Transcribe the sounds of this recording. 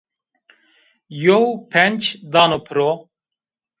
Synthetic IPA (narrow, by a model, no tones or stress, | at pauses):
jowpʰɛnʲt͡ʃʰd̪aːnopʰɨɾo